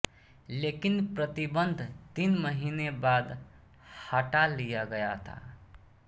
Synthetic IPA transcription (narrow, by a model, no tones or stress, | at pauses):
lekinpɾət̪ibənd̪ʱt̪inməɦinebad̪ | həʈalijaɡəjat̪ʰa̰